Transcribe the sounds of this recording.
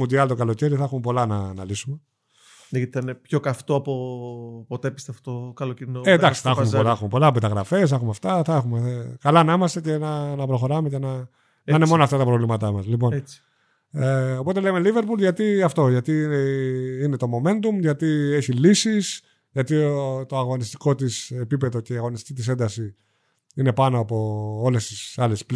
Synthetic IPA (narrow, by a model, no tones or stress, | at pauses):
mund̪iɐlt̪o̞kɐlo̞ceɾiθɐxumepo̞lɐnɐnɐ̰lisume | neɐt̪iθɐinepço̞kɐft̪oɐpopot̪epist̪eft̪o̥t̪okɐloceɾinoend̪ɐksi̥θɐxumepolɐxumepo̞lɐpet̪ɐɣɾɐfe̞s̬θɐxumeɐft̪ɐθɐexumekɐlɐnɐimɐst̪e̞ce̞nɐnɐpɾo̞xo̞ɾɐmecenɐ | ineo̞nɐft̪ɐt̪ɐpɾo̞vlimɐt̪ɐmɐslipo̞net͡si̥ | eo̞po̞t̪e̞leme̞live̞ɾpulʝɐt̪iɐft̪o̞ʝɐt̪ineine̞t̪o̞mo̞me̞nt̪umʝɐt̪ie̞çilisis | ʝɐt̪iot̪o̞ɐɣo̞nist̪i̥ko̞t̪ise̞pipe̞ðo̞ce̞iɐɣo̞nist̪i̥cit̪ise̞nd̪ɐsi | ine̞pɐnoɐpo̞ole̞st̪isɐle̞sp